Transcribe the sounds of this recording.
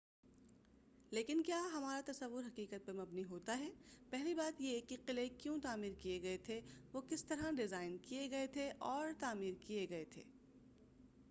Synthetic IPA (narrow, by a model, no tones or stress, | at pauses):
leːkɪnkjaːɦɐmaːɾat̪ɐsɐʋːʊɾɦɐqiːqət̪̚pɐɾmɐbniɦoːt̪aɦɛːpɛɦlibaːt̪jekiqɪlekjõːt̪aːmiːɾkijeɡɐet̪ʰeʋoːkɪst̪ɐɾãɖɪzaːɪnkijeɡɐet̪ʰeʔɔːɾt̪aːmiːɾkieɡɐet̪ʰḛː